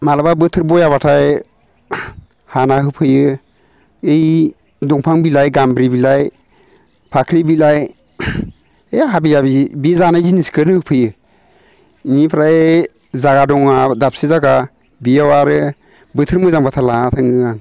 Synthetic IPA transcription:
malababɯtʰɯɾbɔjaβatʰaj | hanaɦɯpʰɯjɯ | ej | dɔŋpʰaŋbilajɡambɾibilaj | pʰakʰɾibilaj | eɦabijabibizanajziniskʰɯnɯhɯpʰɯjɯ | inipʰɾaj | zaɡadɔŋadap̚sizaɡa | bijawaɾɯ | bɯtʰɯɾmɯzaŋbatʰalaatʰaŋɯan

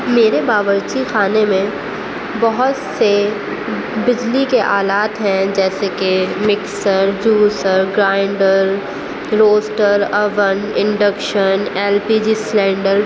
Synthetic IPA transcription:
meːɾebaːʋəɾt͡ʃixaːnemẽ | bɐɦʊt̪se | bɪd͡ʒlikeʔaːlaːt̪ɦɛ̃d͡ʒɛːsekemɪksəɾd͡ʒuːsəɾɡɾaːɪɳɖəɾ | ɾoːsʈəɾɐʋənɪ̃ɳɖəkʃənɛːlpiːd͡ʒislɛ̃ːɳɖəɾ

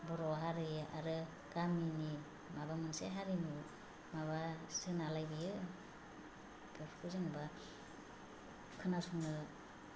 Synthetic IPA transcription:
bɯɾɔɦaɾɯjʔa̰ɾɯ | ɡ̥amini | maβamɯnseɦaɾinu | maβasɯnalajbijɯ | bepʰkʰuzeŋba | kʰɯnasuŋnɯ

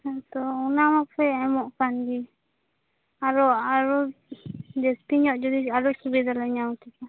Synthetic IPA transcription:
t̪ɔunamakpʰɛɛmɔʔkand̪i | aɾɔaɾɔ | d̪ɛst̪iɲɔʔd͡ʒɔd̪iaɾɔsubɛd̪alaɲawt̪ɛka

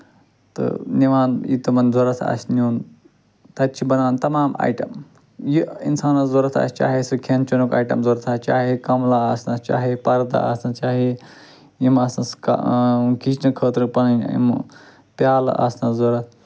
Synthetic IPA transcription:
t̪ɨ̰niʋaːnḭt̪ɐmɐnzoɾɐt̪ʰa̰sʲniuːn | t̪ɐt͡ʃʰibɐnaːnt̪ɐmaːma̰ːjʈɐm | jiḭnsaːnazoɾɐt̪ʰa̰ːsʲt͡ʃa̰ːɦesɨkʰent͡ʃɐnukaːʈɐ̰mzoɾɐt̪ʰaːst͡ʃaːɦekɐmlaaːsnɐst͡ʃa̰ːɦepɐɾd̪a̰a̰ːsnɐt͡ʃaːɦe | jimɐsɐska̰kʰit͡ʃnɐkʰəːt̪ɾɨpɐnɐnḭm | pjaːl̰a̰ːsnɐzoɾɐt̪ʰ

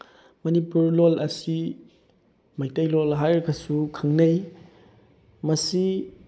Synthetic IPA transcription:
mɐnipuɾlolɐsi | majtɐjlolɦajɾɐkʰɐsukʰɐŋnɐj | mɐsi

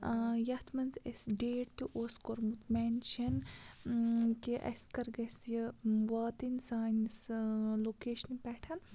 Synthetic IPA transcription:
jɐht̪ʰmɐnzesɖeːʈ̚t̪ːuʔoskoɾmut̪menʃɐn | kiʔɐ̰skɐɾɡɐsjɐʋaːt̪insaːnsloːkeːʃɐnipɛːʈʰɐn

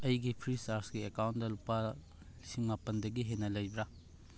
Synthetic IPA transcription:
ɐjɡipʰɾisaɾsɡiekawntdɐlupːa | lisiŋmapɐndɐɡiɦenɐlɐjbɾa

